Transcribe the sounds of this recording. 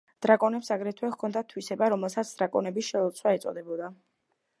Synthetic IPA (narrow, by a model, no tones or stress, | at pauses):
d̪̥ɾakʼɔnɛpsaɡɾɛt̪ʰwɛχkʰɔnd̪at̪ʰwisɛbaɾɔmɛlˠsat̪sʰd̪̥ɾakʼɔ̰nɛbisʃɛɔt̪sʰwaɛt̪sʼɔ̰d̪ɛbɔd̪a